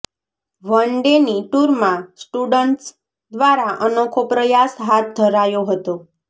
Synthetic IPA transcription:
ʋəɳɖeniʈuɾmãsʈuɖəɳʈs | d̪ʋaɾaʔənokʰopɾəjasɦat̪̚d̪ʱəɾajoɦət̪o

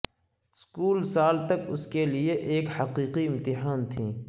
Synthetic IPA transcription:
skuːlsaːlt̪ɐkʊskelieʔeːkhɐqiːqiɪ̃mt̪ɪɦaːnt̪ʰĩː

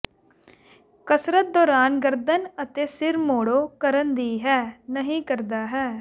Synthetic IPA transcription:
kəsɾət̪̚d̪ɔːɾaːnɡəɾd̪ənət̪eːsɪɾmoːɽoːkəɾənd̪iːɦɛːnəɦĩːkəɾd̪aːɦɛː

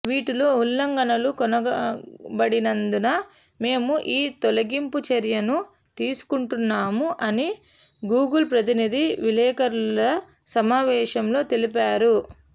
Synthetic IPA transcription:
ʋiːʈuloːulːɐŋɡɐnɐlukɔnɐ | bɐɽinɐnd̪unɐ | me̞ːmuʔiːt̪ɔlɐɡimput͡ʃɐɾjɐnu | t̪iːsu̥kuɳʈunːaːmuʔɐni | ɡuːɡɐlpɾɐt̪inid̪iʋilɛːkɐɾlɐ | sɐmaːʋɛːʃɐmlo̞ːt̪elipaːɾu

